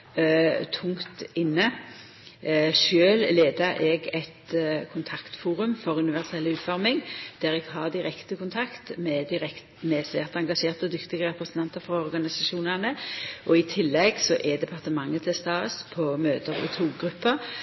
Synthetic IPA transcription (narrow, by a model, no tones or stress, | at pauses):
t̪ʰʊŋt̪ɪnːə | ʃøːlleːd̪əɾʔɛɡɛt̪kʰʊnt̪ʰɑkt̪fuːɾʉmfɔʁʉnɪʋæʁsɛlːʉːt̪fɔʁmɪŋd̪̥æːɾɛɡ̥ɦɑːʁd̪ɪʁɛkt̪əkʰʊnt̪ʰɑkt̪mɛd̪ɪɾɛk | mɛsʋæːʁt̪əɑŋɡɑʂeːʁt̪ɔd̪ʏkt̪ɪɡəʁɛpʁəsənt̪ʰɑnt̪əɾfɑɔɾɡɑnɪsɑʃuːnəʁnəʔɔɪt̪ʰɪlːɛɡsɔʔɛd̪ɛpʰɑʁt̪əmɑŋːət̪ʰɪlst̪ɑːspʰɔmøːt̪əʁɪ̰t̪ʰuːɡʁʉpːə